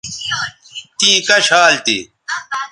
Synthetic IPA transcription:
t̪iːkɐɕaːlt̪ḭ

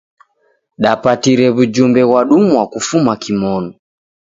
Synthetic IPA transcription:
ɗapatiɾɛβud͡ʒumbɛɣwaɗumuwakufumakimɔnɔ

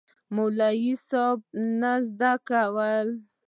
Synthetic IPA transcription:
molajisɔb̚nazd̪akɽawəl

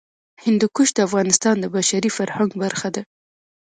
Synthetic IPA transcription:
hɪnd̪ukuʃd̪əafɣɑnɪst̪ɑnd̪əbaʃaɾifaɾhaŋɡbaɾxad̪a

